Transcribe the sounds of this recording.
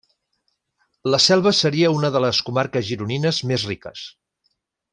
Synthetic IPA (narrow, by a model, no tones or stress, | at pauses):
ləsɛlˠβ̞əsəɾiəunəðələskumaɾkəzʒiɾuninəzmezrikə̰s